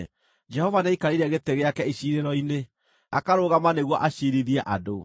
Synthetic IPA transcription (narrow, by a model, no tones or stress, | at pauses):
d͡ʒɛhɔvanaikaɾeɾaɣeteɣeakɛiɕiɾeɾɔine | akaɾoːɣamaneɣwɔʔaɕiɾiðiɛʔado